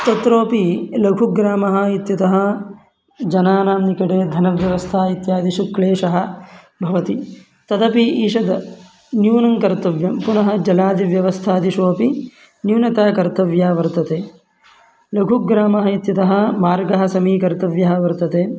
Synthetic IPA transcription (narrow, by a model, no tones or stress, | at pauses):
t̪ɐt̪ɾoːpilɐɡʱuɡɾaːmɐɦɐ̆it̪jɐt̪ɐɦɐ̆ | d͡ʒɐnaːnaːmnikɐʈeːd̪ʱɐnɐʋjɐʋɐst̪ʰaːit̪jaːd̪iʃukɭeːʃɐɦɐ̆ | bʱɐʋɐt̪i | t̪ɐd̪ɐpiiːʃɐd̪ɐ | njuːnɐŋkɐɾt̪ɐʋjɐmpunɐɦɐ̆d͡ʒɐlaːd̪iʋjɐʋɐst̪ʰaːd̪iʃoːpi | njuːnɐt̪aːkɐɾt̪ɐʋjaːʋɐɾt̪ɐt̪eː | lɐɡʱuɡɾaːmɐɦɐit̪jɐt̪ɐɦɐ̆maːɾɡɐɦɐ̆sɐmiːkɐɾt̪ɐʋjɐɦɐ̆ʋɐɾt̪ɐt̪eː